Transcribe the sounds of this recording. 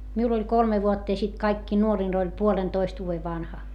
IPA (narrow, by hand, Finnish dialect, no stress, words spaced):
miul olʲ kolme ʋuotːɑ jɑ sit kɑikːiː nuorin olʲ puolentoist ʋuːʋe ʋɑnhɑ